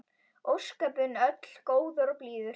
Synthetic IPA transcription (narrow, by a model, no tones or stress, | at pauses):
ʔowskɛːpʏnœt̪l̥koːwðɔɾɔpliːðʏɾ